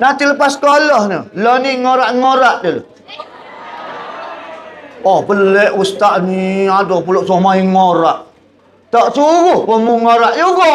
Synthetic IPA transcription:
nat̪iləpaskolɔhnəloniŋoɾaʔŋoɾaʔdəlo̰ | ɔhbəlɛʔust̪aʔniadɔpuloʔsomaiŋoɾaʔ | t̪ɔʔsuwuhpəmuŋoɾaʔjuɡɔ

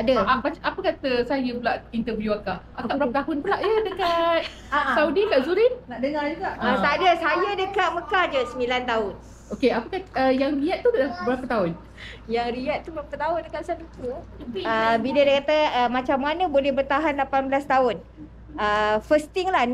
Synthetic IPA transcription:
adəbat͡ʃapəkat̪əsajəbəlaʔint̪əvjuakaʔakkaʔbəɾaət̪aɦʊnpəlaʔjədəkat̪̚ | saudikaʔzuɾinnaʔdəŋad͡ʒuɡaʔət̪adəsajədəkaʔ̪̚məkad͡ʒəsəmilant̪aɦʊn | okeapəkaʔəjaŋriat̪̚ːudabəɾapət̪aʊn | jaŋriat̪̚t̪ːubəɾapət̪aʊndəkaʔ̪sanut̪uiəbidədakat̪əəmat͡ʃamːanəbolɛhbərt̪aɦanlapanbəlast̪aʊn | əfəst̪ɪŋlah

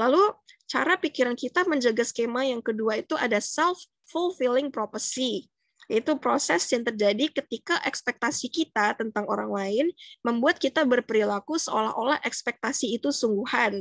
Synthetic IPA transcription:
lalu | t͡ʃaɾapikiɾankit̪aməɲd͡ʒaɡaskemajaŋkəduait̪uʔadasɛlfː | ulfilɪŋpɾopərsi | jait̪upɾosɛsjaŋt̪ərd͡ʒadikət̪ikaʔɛkspɛk̚t̪asikit̪at̪ənt̪aŋoɾaŋlaɪnməmbuat̪̚kit̪abərpəɾilakusəola̰ɦʔolahʔɛkspɛk̚t̪asiːt̪usuŋɡuhan

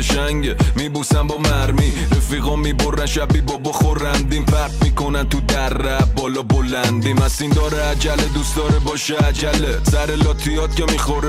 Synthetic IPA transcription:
ʃæɲɟmibusæmbɒːmæɾmiɾefiɣɔmiboɾːænʃæbiːbɒbɔxoɾænd̪iːmfæɾtmiːko̞nænt̪ud̪æɾːæbɒːlɒbolænd̪imæsind̪ɒːɾɛæd͡ʒæled̪usd̪ɒːɾebɒːʃeæd͡ʒælesæɾelɒːt̪ʰijɒːt̪̚cʰemixoɾ

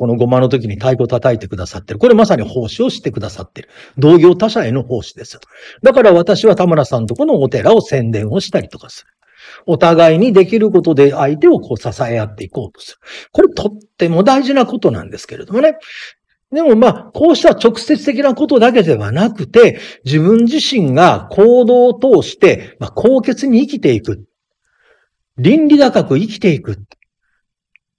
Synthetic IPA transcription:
ko̞no̞ɡo̞mãnot̪o̞k̬ʲiɲ̟it̪aiko̞t̪at̪aet̪e̞kɯ̟d̪asat̪ːeɾɯ̟ko̞ɾemasaɲ̟iho̞ːɕio̞ɕi̥t̪e̞kɯ̟d̪asat̪ːe̞ɾɯ̟ | d̪o̞ːɡʲo̞ːt̪aɕaeno̞ho̞ːɕi̥d̪e̞sɨ̥jo | d̪akaɾaβ̞at̪aɕiβat̪amaɾasãnt̪o̞ko̞no̞ːt̪e̞ɾao̞sẽ̞nd̪ẽ̞ɰ̃o̞ɕi̥t̪aɾʲi̥t̪o̞̥kḁsɨ̥ɾɯ̟̥ | o̞t̪aɡaiɲ̟id̪e̞kʲiɾɯ̟ko̞t̪o̞d̪e̞ait̪e̞o̞kʰo̞ːsasae̞jat̪ːe̞iko̞ːt̪o̥sɨ̥ɾɯ̥ko̞ɾe̞t̪ʰo̞t̪ːe̞mo̞d̪aiʑinako̞t̪o̞nã̰nd̪e̞sɨ̥ke̞ɾe̞d̪̥o̞mo̞ne̞ | d̪e̞mo̞maːkʰo̞ːɕi̥t̪aβat͡ɕo̞kɯ̟̥se̞t͡sɨ̥t̪e̞k̬ʲinako̞t̪o̞d̪ak̬e̞d̪e̞βa̰nakɯ̟t̪e̞d͡ʑiβɯ̟̃ɲd͡ʑiɕĩŋɡakʰoːd̪o̞ːt̪o̞ːɕi̥t̪e̞makʰo̞ːke̞t͡sɨɲ̟iːkʲit̪e̞ikɯ̟t̪ | ɾʲĩnɾʲiɡ̪akakɯ̟ikʲi̥t̪e̞ikɯ̟t̪ː

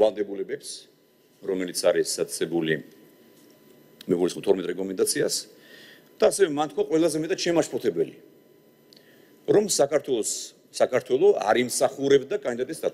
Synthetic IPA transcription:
valˠd̪ɛbulɛbɛps | ɾɔmɛlit̪sʰaɾisd̪at̪sɛbuli | mɛɡulisχmɔt̪ʰɔɾmɛt̪ʼɾɛkʼɔmɛnd̪at̪sʰias | d̪̥aːsɛvɛmant̪̚ʰkwaqʼwɛlˠazɛmɛt̪ʼat̪ʃɛmaʃpʰɔt̪ʰɛbɛli | ɾɔmsakʰat̪ʰwɛlɔsː | akʰaɾt̪ʰwɛlˠɔa̰ɾimsaχuɾɛbd̪akʼand̪id̪at̪ʼisd̪a

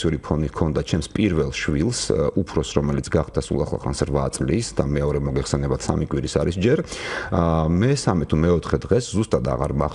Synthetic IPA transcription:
iuɾipʰɔnikʰɔnd̪at͡ʃʰɛmspʼiɾvɛlˠʃvilˠsupʰɾɔsɾɔmɛlit̪sʰɡaχd̪asṵlˠa̰χlˠa̰χɾa̰nsɾvat̪sʼlisd̪amɛɔɾɛmɔɡɛχsɛnɛbat̪samikʼwiɾisaɾisd͡ʒɛɾ | mɛsamɛt̪ʰumɛɔt̪ʰχɛd̪ʁɛszust̪ʼad̪a̰ʁaɾma

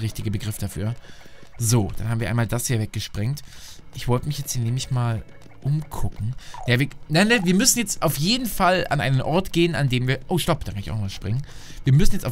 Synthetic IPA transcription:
ʁɪçtɪɡəbəɡʁɪfd̥afy̰ːɐ | zoːd̥anhaːbm̩iːɐa̰ɪmaːldashiːɐvɛk̚ɡ̥əʃpʁ̥ɪŋtʔɪçv̥ɔltəmɪçjɛt͡sthiːɐneːmlɪçmaːl | ʔʊmkʰʊkŋ̩javiɐnaɪnəviːɐmʏsn̩jɛt͡stʔaʊfjeːdn̩fala̰nʔa̰ɪnənʔɔɐtɡ̥eːəna̰ndeːmviːɐʔoːʃtɔp̚d̥aːkʰanɪçaʊnɔvasʃpʁ̥ɪŋənviːɐmʏsn̩jɛt͡stʔaʊ

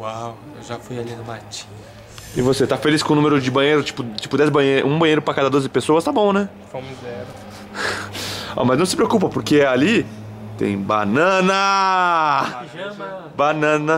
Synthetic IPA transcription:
waw | ewʒafujalinʊlat͡ʃĩ̥ | ɐ | ɪvoset̪afeliskõnumeɾʊd͡ʒɪbɐ̃jejɾʊt͡ʃi̥pʊt͡ʃi̥pʊd̪ɛzbɐ̃jeɾũbɐ̃jejɾʊpɾakad̪ɐd̪ozɪpesoɐst̪abõnɛ | fõmizɛɾʊ | ɔ̰mɐznɐ̃w̃sɪpɾeokupɐpoɾkeɛali | t̪ḛ̃j̃ba̰nɐ̃nɐ | banɐ̃nɐ

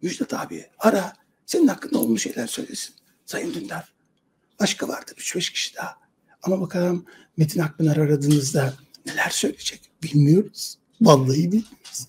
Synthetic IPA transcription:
myd͡ʒd̪ɛt̪ʰa̰ːbḭiaɾa | se̞ninhakʰːɯnd̪aolˠmuʃe̞jlʲæɾsø̞̰jlʲesi̥n | sajɯmd̪ynlʲæɾ̥ | b̥aʃkʰava̰ɾd̪ɯɾyt͡ʃbɛʃcʰi̥ʃi̥d̪a | amabakʰaɾɯmː | et̪ʰinhak̚bɯnˠaɾaɾad̪ɯːnɯzd̪ane̞lʲæɾsø̞jlʲed͡ʒɛc | b̥ilʲmijo̞ɾuz̥ | balˠːajɯbilʲmiiz̥

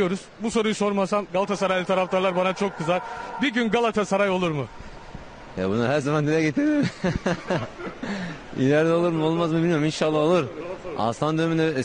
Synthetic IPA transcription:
jo̞ɾuz̥buso̞ɾujuso̞ɾmasamɡalˠat̪ʰasaɾajlʲɛt̪ʰaɾaft̪aɾlˠaɾbanat͡ʃʰo̞kʰːɯzaɾbiɾɟynɡalˠat̪ʰasaɾajolˠuɾmʊ | ja̰bunaɦæɾzamand̪ilʲɛɟet̪ʰiɾd̪im | ḭlʲæɾd̪ɛo̞lˠuɾmolˠmazmɯbilʲmijo̞ɾuminʃalˠːaolˠuɾa̰st̪ʰand̪øymind̪ɛ

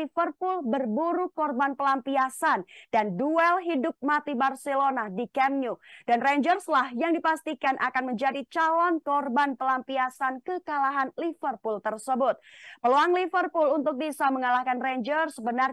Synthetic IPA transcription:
ifərpʊlbərbuɾukɔrbanpəlampiasandanduɛlɦidʊp̚mat̪ibarselonadikɛmɲudanreɲd͡ʒərslahjaŋdipast̪ikanʔakanməɲd͡ʒadit͡ʃalɔnkɔrbanpəlampiasankəkalaɦanlifərpult̪ərsəbʊt̪̚pəluaŋlifərpʊlunt̪ʊk̚bisaməŋalahkanreɲd͡ʒərsəbənar

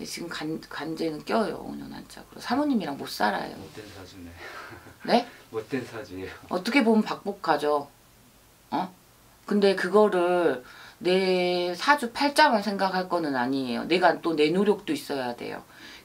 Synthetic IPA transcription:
nḛt͡ɕiɡɯmkankand͡ʑe̞nɯnk͈jʌjo̰o̰ɲʌ̰na̰nt͡ɕ͈a̰ɡɯɾo̰sʰamoɲimiɾaŋmos͈aɾa̰jo̰ | ne̞ | ʌ̰t͈ʌkʰe̞pomnpak̚p͈okʰad͡ʑo | ʌ | kɯnde̞kɯɡʌɾɯɭne̞sʰad͡ʑupʰaɭt͡ɕ͈amɯɭsʰe̞ŋɡakʰaɭk͈ʌnɯnaɲiejo̰ne̞ɡant͈one̞noɾjok̚t͈ois͈ʌjade̞̰jo̰

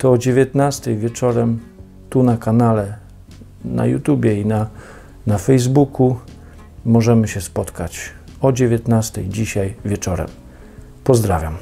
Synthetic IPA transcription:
t̪ɔːd͡ʑevʲjɛt̪nast̪ɛjvʲjɛt͡ʂɔɾɛm | t̪unakanalɛ | na̰jṵt̪ubʲjɛina | nafɛjzbukʰu | mɔʐɛmɘɕɛspɔt̪kat͡ɕɔd͡ʑevʲjɛt̪nast̪ɛjd͡ʑiɕajvʲjɛt͡ʂɔɾɛ̰m | pɔzd̪ɾavʲja̰m

